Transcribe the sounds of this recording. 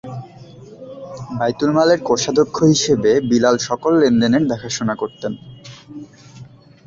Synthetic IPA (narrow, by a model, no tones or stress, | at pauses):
bajt̪ulmaleɾkoʃad̪okʰːoɦiʃebebilalʃɔkolːend̪eneɾd̪ɛkʰaʃonakoɾt̪en